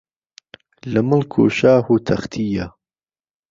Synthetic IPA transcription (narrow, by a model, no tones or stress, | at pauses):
ləmɨlkʰṵʃaːhuːt̪ʰɐxt̪ʰija